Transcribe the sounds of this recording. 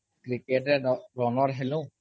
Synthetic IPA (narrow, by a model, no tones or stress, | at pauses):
kɹiketɛɹɔnɔɹɦelʊ̃